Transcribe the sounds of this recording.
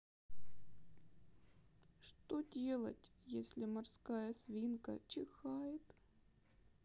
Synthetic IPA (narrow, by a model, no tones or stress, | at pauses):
ʂt̪odʲe̞lˠə̰tʲjesʲlʲɪmɐrskajəsʲvʲinkə̰t͡ɕɪxajɪt̪